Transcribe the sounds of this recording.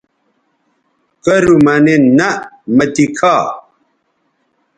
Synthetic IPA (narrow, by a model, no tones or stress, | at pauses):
kɐɾumɐnenɐ | mɐt̪ikʰaː